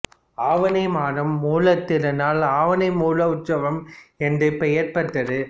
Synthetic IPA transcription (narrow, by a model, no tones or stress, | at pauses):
aːʋɐnɐɪmaːɾɐmːuːlɐt̪ːɪɾɐnaːlaːʋɐnɐɪmuːlɐʊʈsɐʋɐmɛndrɯpɛjɐɾpɐʈːɐðɯ